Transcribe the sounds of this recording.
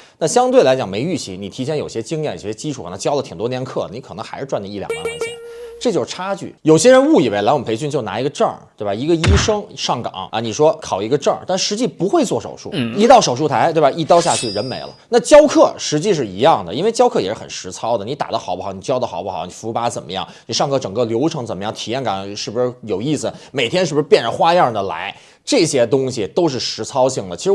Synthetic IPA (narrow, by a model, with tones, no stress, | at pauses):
na˥˩ɕjɑ˥ŋt̪we˥˩ɪla˧˥ɪt͡ɕjɑ˨˩ŋme˧˥ɪy˥˩ɕi˧˥ŋni˨˩t̪ʰi˧˥jɛ˥˩njo˨˩ʊ˩ɕjɛ˥t͡ɕi˥ŋljɛ˥˩nḭ˨˩ɕɛ˥t͡ɕi˥ʈ͡ʂʰu˨kʰn˧˥ŋt͡ɕjɑ˥ʊlət̪ʰŋt̪wɔ˥ljɛ˥˧nkʰɤ̰˥˩ni˧˥kʰɤ˨˩nɤ˧˥ŋxa˧˥ɪʂɻ̩˥˧ʈ͡ʂwa˥˧nd̪ə˧i˥˩ljɑ̰˨˩ŋa̰˥˧˥ɛ̰˧˥˩ʈ͡ʂɤ˥˧t͡ɕjo˥˧ʊ˩ʈ͡ʂʰa˥t͡ɕy̰˥˩jo˨˩ʊɕjɛ˥ɻə˧˥nu˥˩i˨˩we˧˥ɪla˧˥ɪwm˩pʰe˧˥ɪɕy˥˧nt͡ɕjna̰˧˥i˧˥ɡə˧ʈ͡ʂə̰˥˧t̪we˥˩ba˨˩i˧˥ɡə˧i˥ʂɤ˥ŋʂɑ˥˩ŋkɑ̰˨˩˦ŋə̰˧˩ni˨˩ʂwɔ˥kʰɑ˨˩ʊi˧˥ɡə˧ʈ͡ʂə˥˧t̪a˥˩nʂɻ̩˧˥t͡ɕi˥˩pu˧˥xwe˥˧ɪt͡swɔ˥˩ʂo̰˨˩ʊʂṵ˥˩i˧˥t̪ɑ˥˩ʊʂo˨˩ʊʂu˥˩t̪ʰa˧˥ɪt̪we˥˩ɪba˨˩i˥˩t̪jɑ˥ʊɕ̬ja˥˧t͡ɕʰy˥˩ɻə˧˥nme˧˥ɪlə̰˦na˥˧t͡ɕjɑ˥ʊkʰɤ˥˩ʂɻ̩˧˥t͡ɕi˥˧ʂ̬ɻ̩˥˩i˧˥jɑ˥˩ŋd̪ə˩i˥nwe˥˧ɪt͡ɕjɑ˥ʊkʰɤ˥˩jɛ˨˩ʂɻ̩˥˩ə˨˩nʂɻ̩˧˥t͡sʰɑ˥ʊd̪ə˨ni˧˥t̪a̰˨˩d̪ə˦˧xɑ˨˩ʊbxɑ˨˦ʊni˨˩t͡ɕjɑ˥ʊd̪ə˧xɑ˨˩ʊbu˥xɑ˨˩˦ʊni˨˩fu˧˥pa˧˥t͡sə˨˩nmə˦jɑ̰˥˩ŋnni˨˩ʂɑ˥˩˧ŋkɤ˥˩ʈ͡ʂɤ˨˩ŋkɤ˥˧ljo˧˥ʊʈ͡ʂʰɤ˧˥ŋt͡sə˨˩mə˦jɑ˥˩ŋt̪ʰi˨˩jɛ˥˩nka̰˨˩˦ʂɻ̩˥˩bu˧ʂɻ̩˥˧jo˨˩ʊi˥˩sɹ̩˩me˨˩ɪt̪ʰjɛ˥nʂɻ̩˥˩u˧˩ɻ̩˥pjɛ˥˩nʈ͡ʂə˨˩xwa˥jɑ˥˩d̪ə˩la̰˧˥ɪ | ʈ͡ʂɤ˥˩ɕjɛ˥t̪̬ʊ˥ŋɕi˨˩t̪o˥ʊʂ̬ɻ̩˥˩ʂɻ̩˧˥t͡sʰɑ˥ʊɕi˥˩ŋd̪ə˩t͡ɕʰʂɻ